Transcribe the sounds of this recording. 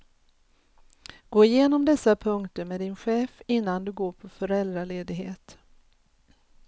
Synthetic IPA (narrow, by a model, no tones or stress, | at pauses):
ɡ̥oːɪjeːnɔmd̪ɛsːapʰɵŋkt̪əɾmeːd̪ɪnɧeːfɪnːand̪ɵɡoːpʰɔfœɾɛld̪ɾaleːd̪ɪɡɦeːt̪